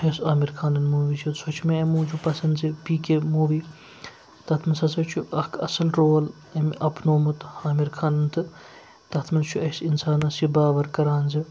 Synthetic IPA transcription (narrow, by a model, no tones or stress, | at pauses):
ɐsaːmiɾkʰaːnɐnmuːʋisʰisot͡ʃʰmeɐmũːd͡ʒupɐsɐnd̪zipiːkemuːʋi | t̪ɐt̪ʰmɐnsɐsɐt͡ʃʰuʔɐkʰɐ̰sɐlɾoːl | ɐmʲʔɐpnoːmɨt̪haːmiɾkʰaːnɐnt̪ʰɨ | t̪ɐt̪ʰmɐnt͡ʃʰuɐsinsaːnɐsibaːʋɐɾkɐɾaːnzi